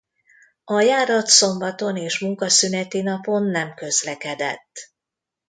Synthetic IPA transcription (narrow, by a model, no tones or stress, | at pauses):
ɒjaːɾɒt̪so̞mbɒt̪o̞neːʃmuŋkɒsynɛt̪inɒpo̞nːɛmkø̞zlɛkɛd̪ɛ̰t̪ː